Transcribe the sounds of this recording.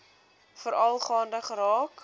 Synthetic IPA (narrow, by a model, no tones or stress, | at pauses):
fəɾɐlˠχɑːndəχrɑːk